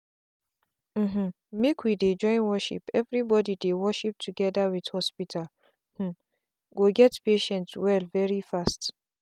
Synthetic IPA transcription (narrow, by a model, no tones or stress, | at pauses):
m̩mm̩ | mekʰwided͡ʒɔ̃ɪ̃nwɔʃḭpɛvɹibɔdidewɔʃip̚tʰuɡɛdawið̥hɔspitʰal | h̩ | ɡoɡɛtpeʃɛ̃ntwɛlvɛɹifast